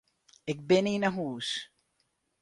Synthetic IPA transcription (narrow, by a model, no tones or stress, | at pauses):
ek̚beniːnɐɦuːs